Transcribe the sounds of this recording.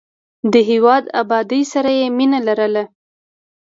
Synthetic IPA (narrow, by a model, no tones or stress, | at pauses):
d̪əɦewɑd̪abɑd̪əjsaɾajeminalaɾəla